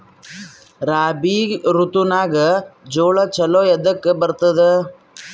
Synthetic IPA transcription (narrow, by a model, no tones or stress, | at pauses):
ɾaːbiɾut̪unaːɡɐd͡ʒoːɭɐt͡ʃɐloːjɛd̪ɐkːebɐɾt̪ɐd̪e